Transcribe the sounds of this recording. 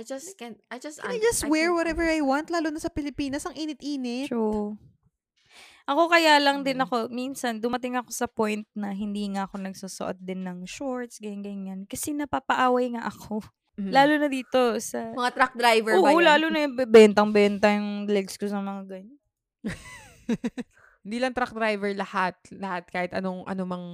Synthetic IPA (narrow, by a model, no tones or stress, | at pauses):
d͡ʒɐskd͡ʒsajd͡ʒɐst̪wɛɹwɔɾɛvɛɹajwant̪laːlʊnɐsɐpɪlɪpiːnɐsɐŋʔiːnɪt̪̚ʔiːnɪu | ʔɐko̞kɐjaːlɐŋd̪ɪnɐko̞minsɐnd̪ʊmɐt̪ɪŋɐko̞sɐpojnt̪̚nɐɦɪnd̪iːŋaʔɐko̞nɐɡsosʊ̰ʔo̰t̪̚d̪ɪnːɐŋʃoɹt̪sɡɐjɪŋɡɐjnŋɐnkɐsɛnɐpapɐʔaːwɐjŋaʔɐkʰo̞ | laːlʊnɐd̪iːt̪o̞sɐmɐŋat̪ɾak̚d̪ɾajvɛoʔolaːlʊnɐbɛbɛnt̪ɐŋbɛnt̪ɐjʊŋlɛɡskosɐmɐŋaɡɐɲon | hɪnd̪iːlɐŋt̪ɾak̚d̪ɾajvɛɹlɐhat̪̚lɐhat̪̚kaːhɪt̪ɐnoŋʔɐ̰nomɐŋ